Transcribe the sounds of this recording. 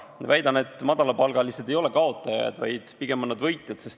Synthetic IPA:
væjd̪ɑne̞t̪ːˑmɑd̪̥ɑlɑpɑlɡ̥ɑlised̪̥e̞jo̞le̞kɑo̞t̪ːˑɑjɑ̰d̪̥vɑ̰jd̪̥piɡ̥e̞monːɑd̪vɤjt̪ˑjɑd̪̥se̞st̪

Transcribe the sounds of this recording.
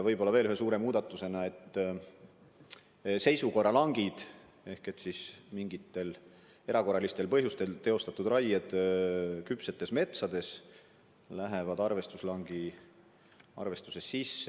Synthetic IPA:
vɤjbo̞lːɑve̞ːlyhesuːɾe̞muːd̪̥ɑt̪ːˑuse̞nɑe̞t̪ː | se̞jsuko̞rɑlɑŋɡ̥id̪̥ | e̞hke̞t̪sismiŋɡit̪ːˑe̞l | e̞ɾʔɑko̞rːɑlist̪e̞lpɤɦjust̪e̞lt̪e̞o̞st̪ɑt̪ːud̪rɑjed̪ | kypse̞t̪ːˑe̞sme̞t̪sɑd̪e̞s | læɦevɑd̪̥ɑrve̞st̪uslɑŋɡ̥i | ɑ̰rve̞st̪usesːisːe

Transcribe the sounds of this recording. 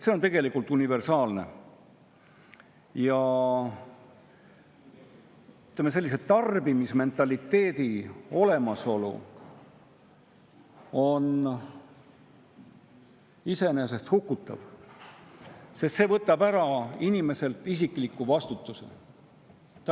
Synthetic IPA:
se̞o̞nt̪e̞ɡ̥e̞likult̪ˑunive̞rsɑːlne̞̰ | jɑ | yt̪lemːese̞lːise̞t̪ɑrbimisme̞nt̪ːˑɑlit̪ːe̞ːd̪io̞le̞mɑso̞lṵ | o̞n | ise̞nes̬e̞st̪hukːˑut̪ːˑɑ̰v̥ | sest̪se̞vɤt̪ːˑɑbæɾɑinime̞se̞lt̪ːˑisiklikːˑuvɑst̪ut̪ːˑusḛ | t̪

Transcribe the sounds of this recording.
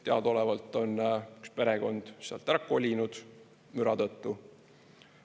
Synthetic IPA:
t̪eɑd̪̥o̞lɛvɑlt̪ːˑo̞ny̥kspe̞ɾeɡ̥o̞nd̪̥seɑlt̪ːærkːuolʲinud̪̥ | myɾɑt̪ɤt̪ːu

